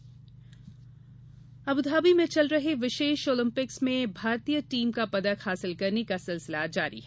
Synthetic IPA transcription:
ɐbʊd̪ʱaːbimẽt͡ʃɐlɾɐɦeʋɪʃeːʃoːlɪ̃mpɪksmẽbʱaːɾt̪ijəʈiːmkapɐd̪əkhaːsɪlkɐɾnekasɪlsɪlad͡ʒaːɾḭɦɛː

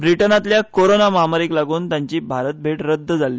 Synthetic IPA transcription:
bɾiʈənat̪ljakoɾonaməɦamaɾiːklaɡuːnt̪jaɲt͡ɕiːbʱaɾət̪̚bʱeʈɾəd̪ʱːəd͡zʱali

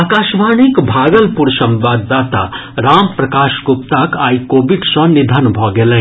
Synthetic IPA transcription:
aːkaːʃʋaːnikbʱaːɡəlpuɾsɐ̃mʋaːd̪ːaːt̪a̰ɾaːmpɾɐkaːʃɡʊpt̪akaːikoːbɪɖsɐ̃nɪd̪ʱənbʱɔːɡelẽː

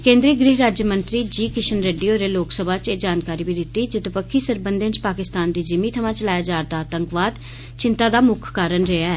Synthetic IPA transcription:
kẽːnd̪ɾiːɡɾɪːɦɾaːd͡ʒjəmə̃nt̪ɾiːd͡ʒiːkɪʃənɾeːɖiːoːɾeːloːksəbʱaːt͡ʃeːd͡ʒaːnkaːɾiːbiːd̪ɪt̪iːd͡ʒɪt̪ɪpəkʰːiːsəɾbənd̪ẽːt͡ʃpaːkɪst̪aːnd̪iːd͡ʒɪmiːt̪ʰəʋãːt͡ʃəlaːjaːd͡ʒaːɾd̪aːt̪əŋkʋaːd̪ | t͡ʃɪnt̪aːd̪aːmʊkʰːaːɾənɾeaɛː

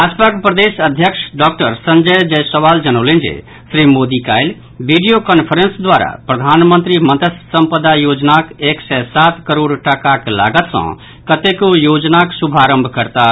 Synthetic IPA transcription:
ad͡ʒpakpɾəd̪esəd̪ʱjəkʃɖɔkʈəɾsə̃nd͡ʒəjd͡ʒɛsəʋaːld͡ʒənolẽnd͡ʒḛ | sɾimoːd̪ikaːjl | biɖijokənpʰəɾensd̪waːɾa̰pɾəd̪ʱaːnmə̃nt̪ɾimənt̪əssə̃mpəd̪ajoːd͡ʒnakeksɛsat̪kəɾoːɽʈakakla̰ːɡət̪sə̰̃ | kət̪ekojod͡ʒnaksubʱaɾə̃mbʱkəɾt̪a

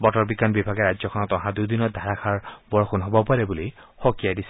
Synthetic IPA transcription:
bɔʈɔɹbikanbibʱaɡeɾad͡ʒzɔkʰɔnɔt̪ɔɦãd̪ud̪inɔd̪ʱaɾakʰaɹbɔɹxunɦɔbɔpaɾebulihokijad̪isʰi̥

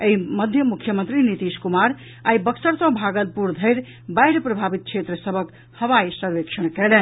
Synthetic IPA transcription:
eiməd̪ʱjəmukʰjəmənt̪ɾinit̪iskumaɾ | aibəksəɾsə̃bʱaɡəlpuɾd̪ʱəɪɾ | bajɾpɾəbʱabit̪̚t͡ʃʰet̪ɾəsəbʱək | həʋajsəɾʋekʃʰənkɛlɛn

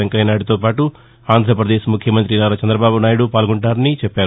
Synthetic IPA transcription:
ɐŋkɐjnaːɽit̪oːpaːʈu | aːnd̪ʱɾɐpɾɐd̪eːʃmukʰjɐmɐnt̪ɾinaːɾɐt͡ʃɐnd̪ɾɐbaːbunaːjiɽupaːlɡoɳʈaːɾɐnit͡ʃɛpːaːɾu

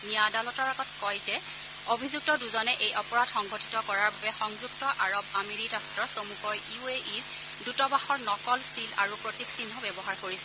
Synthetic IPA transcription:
nijadalɔtɔɹaɡɔtkɔjzɛ | obʱizuk̚tɔduzɔnɛʔejɔpɔɹatxɔŋɡʱotʰi̥tɔkɔɹaɹbabɛxɔŋzuk̚tɔʔaɹɔbameɹidastɹɔsomukɔjiueʔiɹ | dutɔbaxɔɹnɔkɔlsila̰ɹupɹotiksinːɔbɛbɔɦaɹkoɹisɛ̥

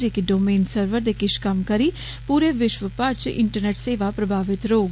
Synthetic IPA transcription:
ɪkɖoːmeːnsəɾʋəɾd̪eːkɪʃkəmkəɾiː | puːɾeːʋɪʃʋəpəɾt͡ʃʔɪ̰ɳʈəɾneːʈseːʋaːpɾəbʱaːʋɪt̪ɾoːɡ

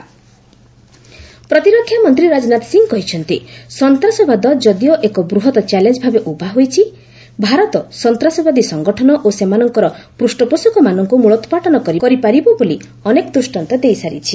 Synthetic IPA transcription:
pɾɔt̪iɾɔkʰːjamɔnt̪ɾiɾad͡ʒɔnat̪ɔ̥siŋɡkɔɦit͡ʃʰɔnt̪isɔnt̪ɾasɔbʱad̪ɔd͡ʒɔd̪ijɔʔekɔbɾuɦɔt̪ɔt͡ʃalend͡ʒbʱabeʔubʱaɦojt͡ʃʰi | bʱaɾɔt̪ɔsɔnt̪ɾasɔbad̪isɔŋɡɔʈʰɔnɔʔosemanɔŋkɔɾɔpɾusʈɔposukɔmanɔŋkumuɭɔt̪ɔ̥paʈɔnɔkɔɾikɔɾipaɾibɔboli | ɔnekɔd̪ɾusʈant̪ɔd̪ejsaɾḭt͡ʃʰi

